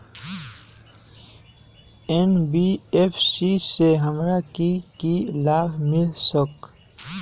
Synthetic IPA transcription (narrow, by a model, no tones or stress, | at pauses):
enbiepsiseɦəmɾakikilaːbmɪlsək